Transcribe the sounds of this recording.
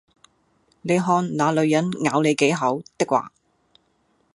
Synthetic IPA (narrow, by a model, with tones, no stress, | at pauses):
ne˨˧jɦɔː˧nlaː˨˧lɵ˨˧ɥjɐ˨˥nŋaː˨˧wne˨˧jke˨˥jɦɐ˨˥wt̪ɪ˥k̚wa̰ː˨˧